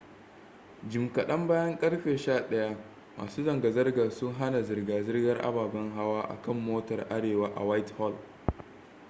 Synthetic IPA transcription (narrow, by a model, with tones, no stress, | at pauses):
d͡ʒɪ˨mkɐ˨ɗɐ˦mbaː˦jɐ˦ŋkʼɐ˦rɸeː˨ʃaː˦˨ɗɐ˦ja˦ | ma̰ː˨suː˦zɐ˨ŋɡa˨zɐ˦rɡaː˨sʊ˦ŋɦa˦na˨zɪ˨rɡaː˨zɪ˦rɡɐ˦rʔa̰˦baː˨bɐ˦ŋɦa˦waː˦ʔa̰˨kɐ˦˨mːoː˦tɐ˨rʔa˦ɽeː˨waː˦ʔa̰˨wa˦jthɔ˦˨l